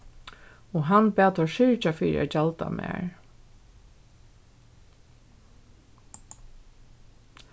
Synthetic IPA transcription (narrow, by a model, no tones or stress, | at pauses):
ɔɦanpæːt̪ɔʃɪɹt͡ʃafiːɾɪ̰a̰d͡ʒalt̪a̰mæ̰ːɹ